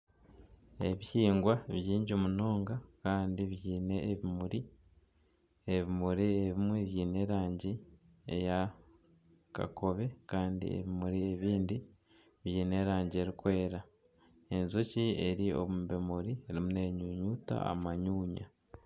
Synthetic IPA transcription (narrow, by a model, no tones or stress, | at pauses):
e̞βiciːŋɡwaβjiːɲɟomuno̞ːŋɡakaːndiβjiːne̞βimuɾi | eβimuɾieβimweβjiːne̞ɾaːɲɟi | eja | ka̰kʰo̞βe̞kaːndḭḛβimuɾie̞βiːndi | βjiːne̞ːɾaːɲɟieɾikwe̞ːɾa | e̞nzocieɾio̰βumbemuɾieɾimune̞ɲuɲuːta̰a̰maɲuːɲa̰